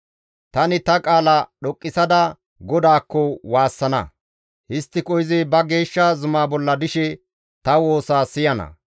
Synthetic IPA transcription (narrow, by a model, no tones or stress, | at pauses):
t̪ɐnɪt̪ɐkʼaːlɐɗɔkʼːɪsɐd̪ɐ | ɡɔd̪aːkːɔwaːsːɐnɐ̰ | hɪst̪ːɪkʼɔjɪzɪbɐɡe̞ːʃːazʊmaːbɔlːɐd̪ɪʃɛ | t̪ɐwo̞ːsaːsɪjɐnɐ̰